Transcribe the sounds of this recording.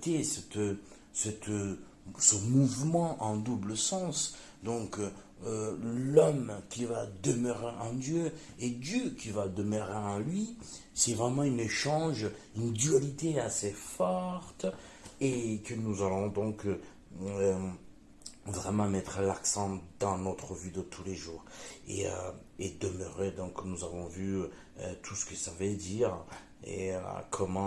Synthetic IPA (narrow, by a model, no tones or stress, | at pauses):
t̪esɛt̪ | sɛt̪ | səmuvmɑ̃ʔɑ̃d̪ubləsɑ̃s | d̪ɔ̃k | lɔmkʲivad̪əmøʁeɑ̃d̪jøed̪jøkʲʰivad̪əmøʁeɑ̃lɥisɛvʁɛmɑ̃yneʃɑ̃ʒynd̪yalit̪easefɔʁt̪ | ekənuzalɔ̃d̪ɔ̃kː | vʁɛmɑ̃mɛt̪χəlaksɑ̃d̪ɑ̃nɔt̪χəvyd̪ət̪ʰuleʒuːʁḛø̰ | ed̪əmøʁed̪ɔ̃knuzavɔ̃vy | t̪ʰusə̥kəsavød̪iʁ | ḛkʰɔmɑ̃